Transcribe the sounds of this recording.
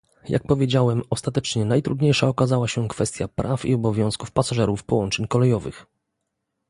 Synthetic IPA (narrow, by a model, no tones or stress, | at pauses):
ja̰k̚pɔvʲjed͡ʑawɛmɔst̪at̪ɛt͡ʂɲɛnajt̪ɾud̪ɲejʂaɔkazawaɕɛkfɛst̪ʲjapɾʔafḭɔbɔvʲjɔ̃w̃skufpasaʐɛɾufpɔwɔnt͡ʂɛɲkɔlɛjɔvɘ̰x